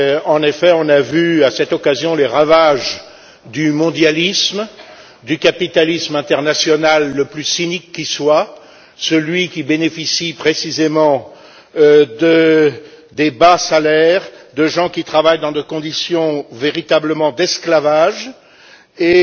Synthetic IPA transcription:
ɑ̃nefɛɔ̃navyasɛt̪ɔkazjɔ̃leʁavaʒ | d̪ymɔ̃d̪jalism | d̪ykapit̪alismɛ̃t̪ɛʁnasjɔnalːəplysinikːiswa | səlɥikʲibenefisipχesizemɑ̃ | d̪ə | d̪ebasalɛʁd̪əʒɑ̃kʲit̪χavajd̪ɑ̃d̪ekɔ̃d̪isjɔ̃veʁit̪abləmɑ̃d̪ɛsklavaʒ | e

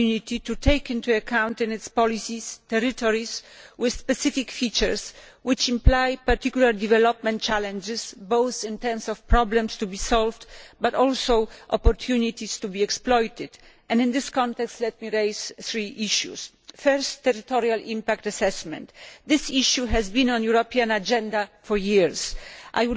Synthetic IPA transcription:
unit̪it̪ut̪ʰejkĩnt̪uakʰãw̃nt̪ɨ̃nɪt̪spɔlisist̪ɛɾit̪ɔɹiswɪðspɛsɪfikfit͡ʃɛɹs | wɪt͡ʃĩmplajpaɾt̪ikjulaɾd̪ivɛlɔpmɛ̃nt̚t͡ʃalɛ̃nd͡ʒɪsbowθĩnt̪ɛɾmsɔfpɾɔblɛ̃mst̪ubisɔlvd̪bat̪ɔlsowʔɔ̰pɔɾt̪ʰjunit̪ist̪ubiɛksplɔjt̪ɪd̪ʔɛ̃nd̪ɨ̃nd̪ɪskɔ̃nt̪ɛkst̪lɛt̪̚miɾejsθɾiʔiʃjṵs | fɛɾstːɛɾit̪ɔɾialʔĩmpakt̪asɛsmɛ̰̃nt̪d̪ɪsiʃjuɦɛzbĩnɔ̃njuɾɔpiãnad͡ʒɛ̃nd̪afɔɾjiɹsʔa̰jwu

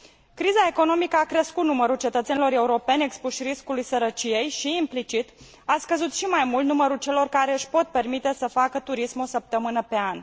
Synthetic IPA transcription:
kɾizae̞ko̞no̞mikəakɾeskut̪numəɾult͡ʃet̪ət̪se̞nilo̞ɾe̞uɾo̞pe̞ne̞kspuʃriskulujsəɾət͡ʃije̞jʃiːmplit͡ʃit̪ | askəzut̪ʃimajmult̪numəɾult͡ʃe̞lo̞rkaɾe̞ɨʃʲpo̞t̪̚pe̞rmit̪e̞səfakət̪uɾismosəp̚t̪əmɨnəpe̞an

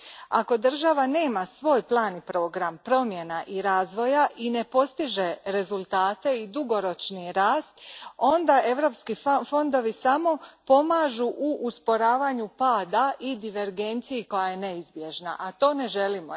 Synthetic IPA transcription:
a̰ko̞d̪r̩ʒaʋane̞ːmasʋo̞ːjplˠaːnipɾo̞ːɡɾampɾo̞mje̞naʔiɾaːzʋo̞jaʔine̞po̞st̪iʒe̞ɾe̞zulˠt̪aːt̪e̞id̪uɡo̞ɾo̞t͡ʃniɾaːst̪o̞nd̪ae̞ʋɾo̞pskifo̞nd̪o̞ʋisamo̞po̞maːʒuʔuʔːspo̞ɾaːʋaɲupaːd̪aʔid̪iʋe̞ɾɡe̞nt̪sijiko̞jaje̞ne̞izbje̞ʒna̰ʔat̪o̞ːne̞ʒe̞limo

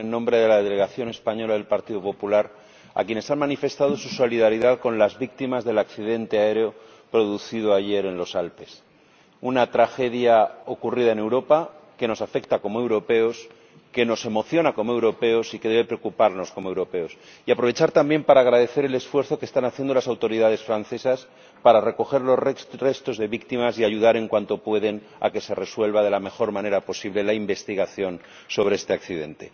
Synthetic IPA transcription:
enːõmbɾe̞ðe̞laðele̞ɣaθjo̞ne̞spaɲo̞laðelpaɾt̪iðopo̞pulaɾ | a̰kje̞ne̞sanmanife̞st̪að̞o̞suso̞liðaɾiðaðko̞nlazβik̚t̪imazðe̞lakθiðe̞nt̪eae̞ɾeo̞ | pɾo̞ð̞uθið̞oaʝe̞ɾe̞nlo̞salpe̞s | unat̪ɾaxe̞ðjao̞kuriðae̞ne̞wɾo̞pake̞no̞safe̞kt̪ako̞moe̞wɾo̞pe̞o̞s | ke̞no̞se̞mo̞θjo̞nako̞moe̞wɾo̞pe̞o̞sike̞ðeβe̞pɾeokupaɾno̞sko̞moe̞wɾo̞pe̞osiapɾo̞β̞e̞t͡ʃaɾt̪ambje̞mpaɾaːɣ̞ɾað̞e̞θe̞ɾe̞le̞sfwe̞ɾθokest̪anaθje̞nd̪o̞lasawt̪o̞ɾiðað̞e̞sfɾanθe̞sas | paɾare̞ko̞xe̞ɾlore̞st̪o̞zðe̞βikt̪imasiaʝuðaɾe̞ŋkwant̪o̞pwe̞ðe̞n | a̰ke̞se̞re̞swe̞lβað̞e̞lame̞xo̞ɾmãne̞ɾapo̞siβle̞laimbe̞st̪iɣaθjo̞n | so̞β̞ɾeest̪e̞akθiðe̞̰nt̪e̞̰

